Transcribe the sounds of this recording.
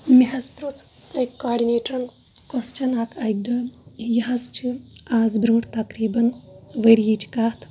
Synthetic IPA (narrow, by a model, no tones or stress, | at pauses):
miɦɐzbɾut͡s | ɐjkːaːɖineːʈɐn | kɐst͡ʃʰɐnaːkʰɐjɡ̚ɖ̪ɐjɐɦɐzt͡ʃʰiaːzbɾuːʈt̪ɐkɾiːbɐnʋɐɾjit͡ʃʰi̥kaːt̪ʰ